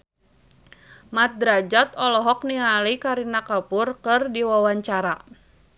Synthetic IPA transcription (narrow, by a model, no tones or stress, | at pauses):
mat̪̚d̪ɾad͡ʒat̪ɔlɔɦɔk̚niŋalikaɾinakapʊrkɨrdiwawaɲt͡ʃaɾa